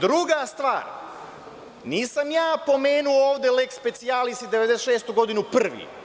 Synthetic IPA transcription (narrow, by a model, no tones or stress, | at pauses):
d̪ɾuɡast̪ʋaːɾ | niːsamjaːpo̞meːnuooːʋd̪e̞lekspe̞t̪sialist̪id̪e̞ʋed̪eʃe̞ːst̪uɡo̞d̪inupr̩ʋḭ